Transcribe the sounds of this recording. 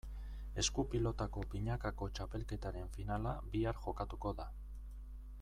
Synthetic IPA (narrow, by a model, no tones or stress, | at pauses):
e̞skupilo̞t̪ako̞piɲakako̞t͡ʃape̞lke̞t̪aɾe̞ɱfinalabiaɾʝo̞kat̪uko̞ða